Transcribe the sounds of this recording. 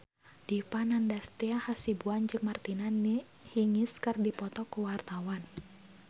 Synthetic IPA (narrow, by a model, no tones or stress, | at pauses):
d̥ipanandast̪iahasibuand͡ʒɨŋmart̪inani | hiŋiskɨrdipɔt̪ɔkuwart̪awan